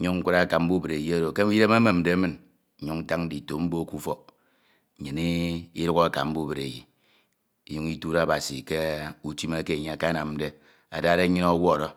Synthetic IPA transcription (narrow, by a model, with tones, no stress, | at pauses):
ɲu˦ŋ̩˦kʷu˦ɾa˦˨ka˨m̩˦bu˦be˨ɾe˨ji˨˦a˦ɾo˨ke˦ji˦ɾe˦ma˦me˨m̩˨de˨˦mɨ˦n̩˦ | ɲu˦ŋn̩˦ta˦ŋn̩˦di˨to˨m̩˦bo˦ku˦fɔ˦˨ | ɲɨ˨ni˦i˦ɾu˦ɣa˨ka̰˨m̩˦bu˦be˨ɾḛ˨jḭ˨ | i˨jo˦ŋi˦tu˦ɾa˦˨ba˨si˨ke˦u˨ti˦ma˦ke˦˨ɲe˨a˨ka˦na˨mm̩˦de˦ | a̰˨da˦˨ɾe˦ɲi˦nɔ˦wɔ˦˨ɾɔ˦